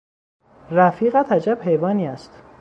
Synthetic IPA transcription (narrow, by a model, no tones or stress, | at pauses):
ræfiːɣæt̪ʰæd͡ʒæb̥he̞jvɒːniːæst̪